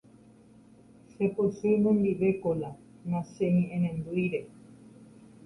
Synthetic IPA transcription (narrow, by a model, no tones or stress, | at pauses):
ʃeposunõnd̪iʋekola | nãʃeɲĩʔẽnẽnd̪ujɾe